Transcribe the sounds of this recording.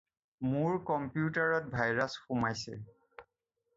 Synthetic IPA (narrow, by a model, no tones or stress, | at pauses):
mʊɹkɔmpjutaɹɔt̚bʱajɹasxumajsɛ̰